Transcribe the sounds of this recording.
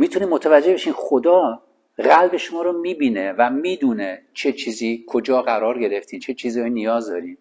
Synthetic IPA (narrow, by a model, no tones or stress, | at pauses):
miːt̪ʰuniːmːot̪ʰævæd͡ʒːebe̞ʃiːnxod̪ɒː | ɣælbe̞ʃomɒːɾomiːbiːnevæmiːd̪uːnet͡ʃʰe̞t͡ʃʰiːziːkʰod͡ʒɒːɣæɾɒːɾɡe̞ɾeft̪ʰiːnt͡ʃʰe̞t͡ʃʰiːzinijɒːzd̪ɒːɾiːm